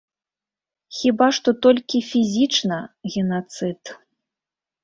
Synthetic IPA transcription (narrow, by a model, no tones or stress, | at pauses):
xʲibaʂt̪ɔt̪ɔlʲkʲifʲizʲit͡ʂnɐɣʲɛnat̪sɨt̪